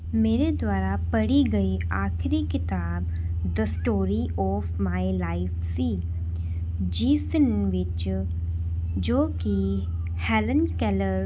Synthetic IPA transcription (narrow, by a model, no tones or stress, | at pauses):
meːɾed̪waːɾapɐɽiɡɐi | aːxɪɾikɪt̪aːb̚ | d̪əsʈoːɾi | ɔːfmaːɪlaɪfsiː | d͡ʒiːsənʋɪt͡ʃ | d͡ʒoːki | hɛlənkɛləɾ